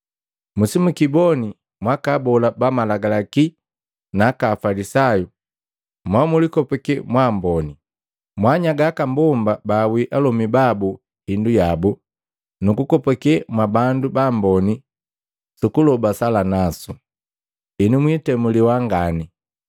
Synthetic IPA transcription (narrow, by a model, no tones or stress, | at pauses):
musimukibɔni | mwakabɔlabamalaɡalaki | nakaːfalisaju | mwamulikɔpɛkɛmwambɔni | mwaɲaɡakambɔmbabawiʔalɔmibabu | hindujabu | nukukɔpɛkɛmwabandubambɔni | sukulɔbasalanasu | inumwitɛmuliwaŋɡani